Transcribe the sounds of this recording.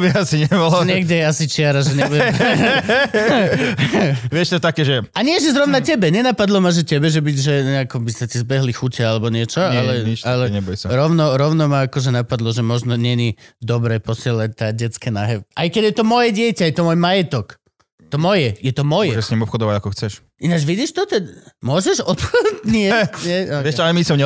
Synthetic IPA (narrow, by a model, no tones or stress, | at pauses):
biasiɲɛbɔlɔɲɛɡɟɛjɛasit͡ʃɪaɾaʒɛɲɛ | ʋɪɛʃt̪ɔt̪akɛːʒɛaɲɪɛʒɛzɾɔʊnacɛbɛɲɛnapad̪lɔmaʒɛcɛbɛʒɛbiɟʒɛɲɛakɔbisatizbɛɦlixucɛalɛbɔɲɪɛt͡ʃɔalɛɲialɛɲɛbɔjsaɾɔʊnɔɾɔʊnɔmaakɔʒɛnapad̪lɔʒɛmɔʒnɔɲɛɲid̪ɔbɾɛpɔsɪɛlac̚t̪aːɟɛt͡skɛnaɦɛʔajkɛɟjɛt̪ɔmɔjɛɟɪɛcajɛt̪ɔmɔjmajɛt̪ɔk | t̪ɔmɔjɛjɛt̪ɔmɔjɛʒɛsɲimɔpxɔd̪ɔʋaɟakɔxt͡sɛʃ | inad͡ʒʋiɟiʃt̪ɔt̪ɛd̪mʊɔʒɛʃɔp̪xɔtɲɪɛɲɛʋɛʃalɛmisɔmɲɛ